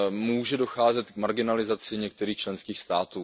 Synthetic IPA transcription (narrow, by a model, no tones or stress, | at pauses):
muːʒɛdo̞xaːzɛt̪k̚maɾɡɪnalɪzat͡sɪɲɛk̚t̪ɛɾiːxt͡ʃlɛnskiːxst̪aːt̪uː